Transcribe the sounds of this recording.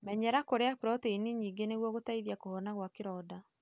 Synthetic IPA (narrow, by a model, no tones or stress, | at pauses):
mɛɲɛɾakoɾeakɾɔteiniɲiːŋɡeneɣwɔɣotaiðjakohɔnaɣwakeɾɔːda